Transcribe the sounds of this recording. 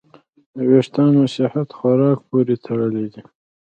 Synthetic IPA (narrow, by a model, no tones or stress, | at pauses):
d̪əweʂt̪ɑːnosɪhat̪xaɾɑːk̚poɾet̪ʰaɽəled̪i